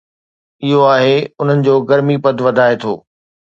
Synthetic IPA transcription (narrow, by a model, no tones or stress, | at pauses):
ɪɦoaːɦeʊn̤ənɪ̆d͡ʑoːɡɐɾmipɐd̪ʱʋɐd̪ʱaːet̪ʰo̰ː